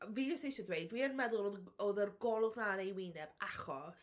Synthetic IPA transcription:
vid͡ʒɔstejʃadwejdwiənmɛðʊlˠɔɔðərɡɔlˠʊɡnanejwɪnɛbaχɔs

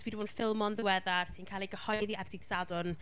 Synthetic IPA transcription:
widunfɪlˠmɔnðɪwɛðarsinkʰaːlˠiɡəhɔjðiardɪɡ̥sadʊn

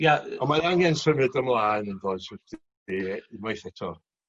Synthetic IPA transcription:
jaɔmaɾaŋɛnsəmɨdəmlˠaːnənðɔːdsɛd̥ | imajθɛtʰɔ

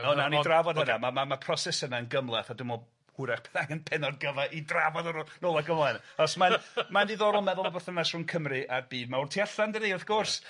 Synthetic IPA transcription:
ɔnawnidravɔdənamamamapʰrɔsɛsənaənɡəmlˠaθadɪmɔ | hʊɾaχb̥ɛθaɡənpʰɛnɔd̚ɡəvaʔidravɔdɔɾnoːlˠaɡəmlˠanɔsmamaniðɔɾɔlˠmɛðʊlˠbəθənasr̥ʊnkʰəmrɨʔarbiːdmawrtʰiaɬandriːɔθɡ̥ʊrs

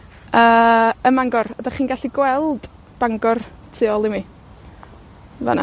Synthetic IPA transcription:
əːəmaŋɡɔrɔdaχiːnɡaɬiɡwɛlˠd̥ | b̥aŋɡɔr | tʰɪɔlˠimi | va̰na̰

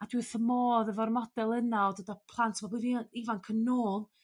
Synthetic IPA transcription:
adwɨθəmoːðəvɔrmɔd̥ɛlˠənalˠdədapʰlˠantʰvɔbiðiivankʰənːoːlˠ

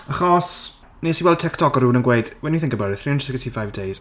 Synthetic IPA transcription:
aχɔs | nisiwɛlˠd̚tʰɪktʰɔkɔɾuːnənɡwejd̥wɛniθɪ̃ŋkəbaɾɛθriːənsɪksntʰifajvdejz̥

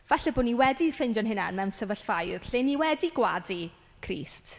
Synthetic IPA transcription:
v̥aɬɛbʊːniwɛdifɪndjɔnɦɪna̰nmɛwnsəvəɬvajð̥ɬeniwɛdiɡwa̰di | kʰrḭːst

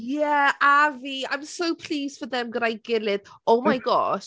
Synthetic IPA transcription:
jɛaviã̰j̃msowpʰl̥iːsd̥fəðɛmɡəɾajɡɪlˠɪð | owmajɡɔ̰ʃ

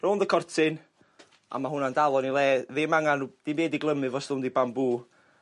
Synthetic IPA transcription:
rɔːnðəkʰɔrtʰɪn | ʔa̰maɦʊnandalˠɔnilˠɛːðɪmaŋanud̥imeːdiɡlˠəmɨvɔsðʊndibambuː

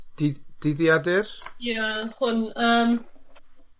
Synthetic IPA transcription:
d̥ɪd̥ɪðjadɪrjahʊnəm

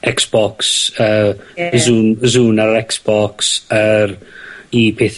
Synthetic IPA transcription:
ɛksb̥ɔksəzuːnzuːnaɾɛksb̥ɔksəɾipʰeːθ

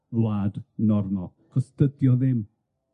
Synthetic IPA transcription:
vlˠaːdnɔrmalˠ | kʰɔstədjɔðɪm

